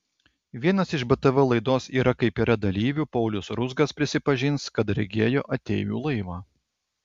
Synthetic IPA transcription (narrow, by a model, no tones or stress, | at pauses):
ʋʲiɛnɐsɪʒbɛt̪ɛʋɛlˠɐɪd̪oːsiːɾɐkɐɪpiːɾɐd̪ɐlʲiːʋʲuːpɔʊlʲʊsɾʊzɡɐspʲɾʲɪsʲɪpɐʒʲɪnskɐt̪ɾʲɛ̰ɡʲeːjo̰ːʔɐt̪ʲḛːjṵːlˠɐɪʋɑː